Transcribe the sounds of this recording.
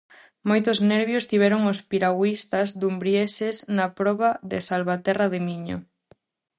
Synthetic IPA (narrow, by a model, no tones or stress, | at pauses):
mojt̪ʊznɛɾβjost̪iβ̞ɛɾoŋospiɾawist̪azd̪umbɾjeseznapɾɔβaðɪsalβat̪ɛraðɪmiɲo̰